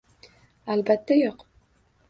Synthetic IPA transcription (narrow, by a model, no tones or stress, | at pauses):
albat̪ʰːajoq